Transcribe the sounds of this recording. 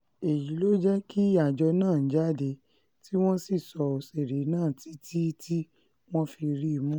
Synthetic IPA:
e˨ji˨˦lo˦d͡ʒɛ˦ki˦a˨d͡ʒɔ˧nãː˦˨˦d͡ʒa˦˨de˧ | ti˦w̃ɔ̃˦si˦˨sɔ˧o˧se˨ɾe˨˦nãː˦˨ti˨˦tʰi˦tʰi˦ | w̃ɔ̃˦fi˧ɾi˦˧mũ˦

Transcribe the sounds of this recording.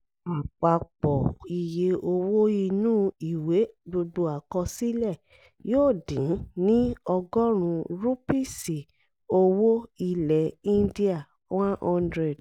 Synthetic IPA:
a˨k͡pa˨k͡pɔ˨i˨je˧ʔo˧wo˦i˧nũ˦i˨we˨˦bo˧do˧a˨kɔ˧si˦lɛ˦˨ | joː˦˨dĩ˨˦nĩ˦ɔ˧ɡɔ˦ɾ̃ũ˧ɾu˦pi˦˨si˨ | o˧wo˦i˧lɛ˨ĩ˦ndi˦a˦˨ | wã˦ɔ̃˧ndɾe˦˨d

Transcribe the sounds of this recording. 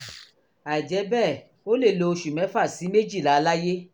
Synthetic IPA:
a˨i˨d͡ʒɛ˨˦bɛː˦˨ | o˦le˦˨lo˧o˧ʃu˨mɛ̃˨˦fa˦˨si˨˦me˦d͡ʒi˦˨la˨˦˧la˦je˦

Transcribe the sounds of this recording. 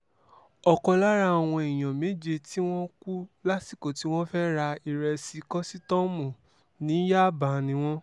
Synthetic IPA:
ɔ˧˨kɔ˧la˦ɾa˧˦ɔ˨w̃ɔ̃˧i˨j̃ã˨me˦d͡ʒe˧ti˦w̃ɔ̃˦ku˦la˦si˦˨ko˨ti˨˦w̃ɔ̃˦fɛ˦ɾa˧i˨ɾɛ˧si˧kɔ˦si˦tɔ̃˦mũ˨ | nĩ˨˦ja˦˨ba˨nĩ˨˦w̃ɔ̃˦

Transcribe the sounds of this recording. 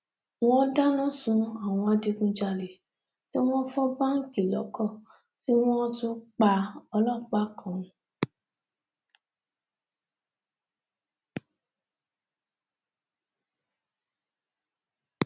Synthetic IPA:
w̃ɔ̃˦da˦nã˦sũ˧a˦˨w̃ɔ̃˧a˧de˧ɡũ˧d͡ʒa˧le˨ | ti˦w̃ɔ̃˦fɔ˦ba˦ŋ̩˦ki˨lɔ̰˨˦kɔ˦˨ | ti˦w̃ɔ̃˦tũ˦k͡pa˧ɔ˧lɔ˦˨k͡pa˦kʰɔ̃˨

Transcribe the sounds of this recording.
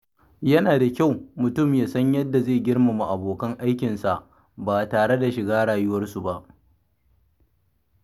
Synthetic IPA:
jɐ˦naː˨da˨kʲa˦˨wmʊ˨tʊ˦˨mjaː˦sɐ˦ɲjɐ˦dːa˨zeː˦˨ɡʲɪ˦rma˨mu˨ʔa˨boː˨kɐ˦ŋʔa˦jkʲɪ˨nsa˨ʔ | baː˨taː˨ɽe˦da˨ʃɪ˨ɡaː˦ɽaː˨jʊ˦wɐ˦rsu˨ba˦ʔ

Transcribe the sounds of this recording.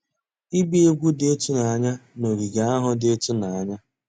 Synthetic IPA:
i˦bi˦e˦ɡʷu˦dɪ˦e˦tʊ˦na˨a˦ɲa˦no˨ɾi˨ɡa˨˦a˦ɦʊ˦dɪ˦e˦tʊ˦na˨a˦ɲa˦

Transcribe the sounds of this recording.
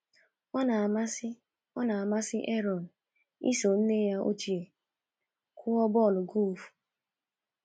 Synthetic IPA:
ɔ˦na˨ma˦sɪ˦ | ɔ˦na˨a˨ma˦sɪ˦ʔe˦ɾɔ˨n̩˨ | ḭ˦so˨n̩˦ne˦ja˦ʔo̰˦t͡ʃi˨e˨ | kʰʊ˦ɔ˦bɔ˦˨lʊ˨ɡu˦˨fu̥˨

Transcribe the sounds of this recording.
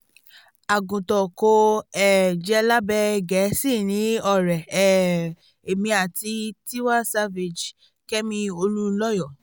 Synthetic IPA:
a˨ɡũ˨tɔ˨ko˧ɛ˨d͡ʒɛ˧la˦bɛ˧ɡɛ˨˦si˦˨nĩ˨˦ɔ˦˨ɾɛ˨ɛ˨ | e˨mĩ˧a˨ti˧˦ti˦wa˦sa˦ve˨d͡ʒ | kɛ˦mĩ˧o˧lu˦˧˦lɔ˦jɔ˦˨

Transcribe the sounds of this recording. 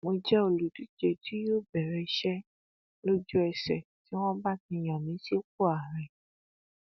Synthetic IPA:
mo˧d͡ʒɛ˦o˧˨lu˨du˦d͡ʒe˧˨ti˦jo˦˨bɛ˨ɾɛ˨˧ʃɛ˦ | lo˦d͡ʒu˦ɛ˧sɛ̰˨ti˨˦w̃ɔ̃˦ba˦tĩ˧j̃ã˨nĩ˨˦si˦o˦k̚o˦˨a˨ɾɛ˨

